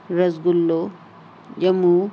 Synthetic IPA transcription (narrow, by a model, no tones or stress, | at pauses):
ɾɐzɡulːo | jɐmu